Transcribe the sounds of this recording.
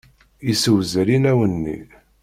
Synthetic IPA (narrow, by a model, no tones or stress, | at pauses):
isəwzɾinæwənːḭ